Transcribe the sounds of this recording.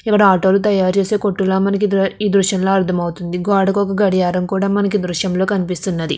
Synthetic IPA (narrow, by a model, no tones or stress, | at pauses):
ikːɐɽɐaːʈo̞ːlut̪ɐjaːɾt͡ʃeːse̞ːko̞ʈːulaːmɐnɐk̬iiːd̪ɾuʃjɐmlo̞ːɐɾt̪ʰɐmɐwut̪und̪iɡaːɽɐkɔkɐɡɐɽijaːɾɐmkuːɽaːmɐnɐk̬id̪ɾuʃjɐmlo̞ːkɐnipist̪unːɐd̪ḭ